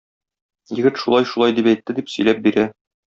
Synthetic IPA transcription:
jɘ̆ɡɘt̪ʃulˠɑjʃulɑjd̪ipæjt̪ːɘd̪ipsɵ̆jlæp̚biɾæ

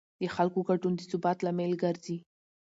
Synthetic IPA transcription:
d̪əxalkoɡaɖund̪əsʊbɑt̪lamelɡəɾzi

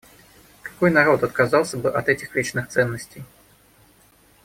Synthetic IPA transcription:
kḁkɔjnaɾɔt̪ɐt̪̚kazalˠsʲɐbɨʔɐt̪ɛt͡sʲixvʲit͡ʂnɨxt̪sɛnːəsʲt͡sʲej

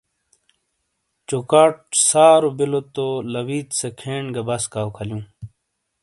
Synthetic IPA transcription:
t͡ɕokaːʈ̚saːɾobilot̪olɐwiːt̪sekʰẽːɳɡɐbɐskaːwkʰɐljũː

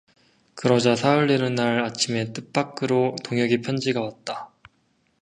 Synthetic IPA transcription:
kɯɾʌd͡ʑasʰauɭːenɯnːaɾat͡ɕʰime̞t͈ɯp͈ak͈ɯɾotoŋjʌɡipʰjʌnd͡ʑiɡawat̚t͈a

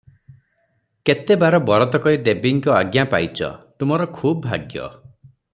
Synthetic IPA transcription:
ket̪ebaɾɔbɔɭɔt̪ɔkɔɾid̪ebiŋkɔaɡjapajt͡ʃʰɔ̰t̪umɔɾɔkʰubbʱa̰ɡjɔ̰

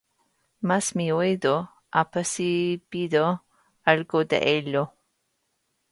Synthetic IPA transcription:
masmioejdo | ʔapasibid̪o | alɡod̪ḛʔelo

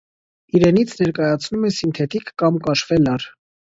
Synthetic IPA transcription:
iɾɛnit͡sʰnɛɾkɑjɑt͡sʰnumɛsint̪ʰɛt̪ikːɑmkɑʃvɛlɑɾ

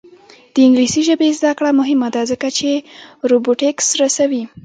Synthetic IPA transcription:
d̪̥əɪŋɡlisiʒəbezd̪akɽamʊɦɪmad̪azəkat͡ʃeɾoboʈeksɾasawi

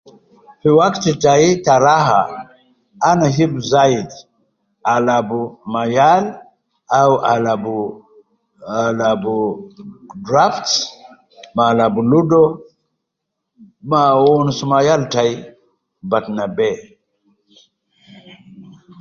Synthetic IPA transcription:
fiwaktitajitaɾaɦa | anaɦibzajid | alabumajal | awʔalabu | labu | dɾafts | malabuludɔ | mawɔnsumajaltaji | batnabɛ

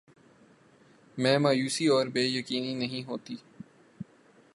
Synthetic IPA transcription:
mɛ̃ːmaːjuːsiɔːɾbeːjəkiːninəɦĩɦoːt̪iː

